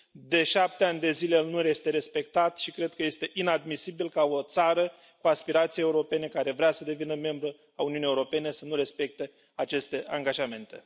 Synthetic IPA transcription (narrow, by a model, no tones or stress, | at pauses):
d̪e̞ʃap̚t̪eanʲd̪e̞zilelnuɾe̞st̪eɾe̞spe̞k̚t̪at̪ʃikɾe̞d̪̚kəje̞st̪e̞ʔinad̪misibilkao̞t̪saɾə | kuaspiɾat̪sijee̞uɾo̞pe̞ne̞kaɾe̞vɾeasəd̪e̞vinəme̞mbɾu | auniunijeuɾo̞pe̞ne̞sənuɾe̞spe̞k̚t̪e̞ | at͡ʃe̞st̪e̞ʔaŋɡaʒame̞nt̪e̞̰